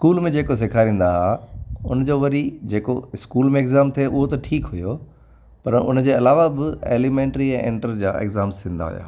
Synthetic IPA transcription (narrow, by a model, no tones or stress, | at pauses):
ɪskuːlmẽd͡ʑeːkos̬ɪkʰaːɾĩːn̆d̪aɦaʊnəd͡ʑoːʋɐɾid͡ʑeːko̰ɪskuːlmẽeːɡzaːmt̪ʰieʔʊɦot̪ɐʈʰiːkɦʊjo | pɐɾʊ̰nəd͡ʑeːɐlaːʋabɪḛːlimẽːɳʈɾiɛ̃ːʔḛ̃ːɳʈəɾd͡ʑa̰ːḛːɡzaːmst̪ʰĩːn̆d̪a̰ɦʊ̰ja̰ː